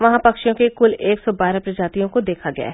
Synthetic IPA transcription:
ʋɐɦãpɐkʃjõkekʊleːksɔbaːɾapɾɐd͡ʒaːt̪ijõkod̪eːkʰaɡɐja̰ːɦ

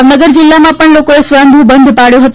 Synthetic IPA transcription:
nɐɡəɾd͡ʑɪlːamãpəɳloːkoesʋãːnd̪ʱũbɐ̃nd̪ʱpaːɽijoɦɐt̪

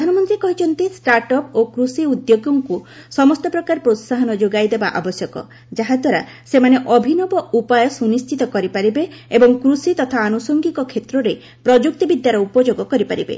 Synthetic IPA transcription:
pd̪ʱanɔmɔnt̪ɾikɔɦit͡ʃʰɔnt̪isʈaɾʈɔpokɾusiud̪joɡɔŋku | sɔmɔst̪ɔpɾɔkaɾpɾot̪saɦɔnɔd͡ʒoɡajd̪ebaʔa̰bɔsjɔkɔ̰ | d͡ʒaɦad̪ʱwaɾa | semaneʔɔbʱinɔbɔupajɔsunist͡ʃʰit̪ɔkɔɾipaɾibeebɔŋkɾusit̪ɔt̪ʰaːnusɔŋɡikɔkʰet̪ɾɔɾe | pɾɔd͡ʒuk̚t̪ɔbid̪jaɾɔupɔd͡ʒoɡɔkɔɾipaɾibḛ

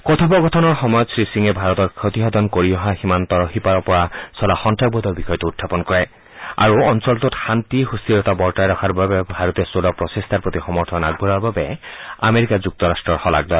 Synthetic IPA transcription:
kɔt̪ʰɔbɔɡɔtʰɔnɔɹxɔmɔjɔt̪sɹisiŋɛbʱaɹɔtɔɹkʰot̪iɦɔd̪ɔnkoɹiɔɦaximant̪ɔɹɔxipaɹɔpɔɹasɔlaxɔntʰɹaɡ̚bɔd̪ɔɹbixɔjɔtuutʰːapɔnkɔɹɛ | a̰ɹuɔnsɔltotxantihust̪iɹɔtabɔɹtajɹɔkʰaɹbabɛbʱaɹɔtɛsolɔpɹɔsest̪ʰaɹpɹot̪ixɔmɔɹt̪ʰɔna̰ɡ̚bʱulaɹbabɛa̰meɹikazuk̚tɔɹastɹɔɹxɔla̰ɡ̚dɔl

